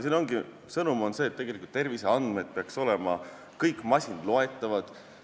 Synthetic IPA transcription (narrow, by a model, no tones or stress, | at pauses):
siːnoŋɡi | sɤnumo̞nse̞ːt̪ːe̞ɡ̥e̞likult̪ːe̞rviseɑnd̪̥me̞d̪̥̚peɑkso̞lemɑ | kɤjkmɑsʲinlo̞e̞t̪ːˑɑvɑd̪̥